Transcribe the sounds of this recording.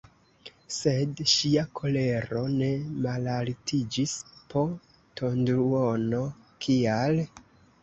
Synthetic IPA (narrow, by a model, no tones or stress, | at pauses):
se̞dʃiakʰo̞le̞ɾo̞ne̞malaltʰid͡ʒispo̞ | tʰo̞ndɾuono̞ | kʰial